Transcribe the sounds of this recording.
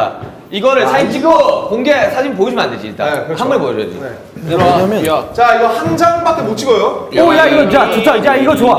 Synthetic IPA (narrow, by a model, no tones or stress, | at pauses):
iɡʌɾɯɭsʰait͡ɕ͈ʰiɡokʌnɡesʰad͡ʑʰimp̬oid͡ʑʰima̰ndɯɕʰḭt͈a̰haŋɡʌepojʌd͡ʑʌ̰dḭ | ɲamjʌnjat͡ɕaiɡʌhaŋd͡ʑaŋbakʰemot͡ɕʰiɡʌjoojaiɡʌjat͡ɕot͡ɕʰad͡ʑaiɡʌt͡ɕoa